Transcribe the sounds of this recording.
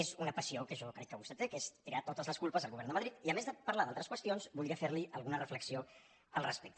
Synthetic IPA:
ezunəpəsiokəʒokɾɛkːəβust̪et̪ekest̪iɾat̪ot̪əzləskulpəzəlˠɣuβɛɾnd̪əməðɾit̪iəmezðəpəɾlaðalˠt̪ɾəskwəst̪ionzbulˠiəfeɾliəlˠɣunərəfləksio | əlˠrəspek̚t̪ə

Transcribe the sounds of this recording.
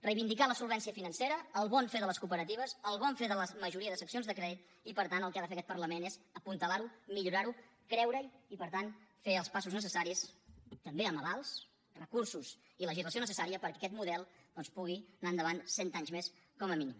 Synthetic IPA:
rəjβind̪ikaləsulˠβɛnsiəfinənseɾəːlˠβɔnfeðələskupəɾət̪iβ̞əsəlˠβɔɱfeðələməʒuɾiəðəsəksionzðəkɾɛðit̪̚ | ipəɾt̪anəlˠkaðəfeəkɛt̪pərləmenezəpunt̪əlaɾumiʎuɾaɾu | kɾɛwɾəjipəɾt̪anfeəlˠspasuznəsəsaɾist̪əmbeəməβalˠs | rəkursus | iləʒizləsionəsəsaɾiəpəɾkɛkɛt̪muðɛlˠd̪ɔnspuɣinaənd̪əβansɛnt̪aɲzmeskɔməminim

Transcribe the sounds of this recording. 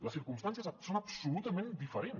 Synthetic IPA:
ləsiɾkumst̪ans̬iəzsonɐpsulut̪əmẽnd̪ifəɾen

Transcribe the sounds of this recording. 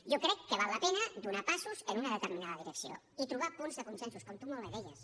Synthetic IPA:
ʒɔkɾɛkːəβalˠːəpɛnəd̪unapasuzənunəðət̪əɾminaðəðiɾəksio̰ | it̪ɾuβ̞apunzðəkunsɛnsuskɔmt̪umolˠβəðɛʎəs

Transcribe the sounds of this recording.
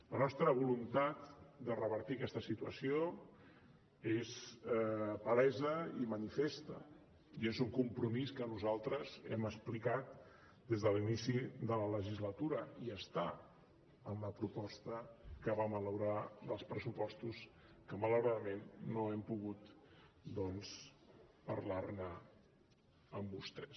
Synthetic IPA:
lənɔst̪ɾəβ̞ulunt̪at̪d̪ərəβəɾt̪ikɛst̪əsit̪uə̰sio | ez | pəɾɛzəimənifest̪ə̰ | iezuŋkumpɾumiskənuzalˠt̪ɾəzɛ̰məsplikat̪̚ | d̪ezðəlinisiðələləʒizlət̪uɾəiəst̪a | ənləpɾupɔst̪əkəβamələwɾaðəlˠspɾəsupɔst̪us | kəmələwɾaðəmenːoɛmpuɣut̪d̪ɔnspəɾlarnə | əmbust̪ɛs

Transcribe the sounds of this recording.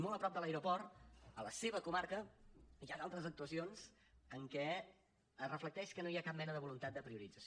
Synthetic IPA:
molˠəpɾɔb̚d̪əlaeɾupɔrt̪ələseβəkumaɾkəiaðalˠt̪ɾəzək̚t̪uəsionz̥ | əŋkɛ | ərəflək̚t̪ɛʃkənoiakap̚mɛnəðəβulunt̪at̪̚d̪əpɾiuɾid͡zəs

